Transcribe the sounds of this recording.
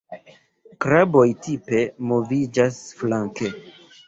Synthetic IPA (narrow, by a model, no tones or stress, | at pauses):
kɾabo̞jtʰipe̞mo̞vid͡ʒasflaŋke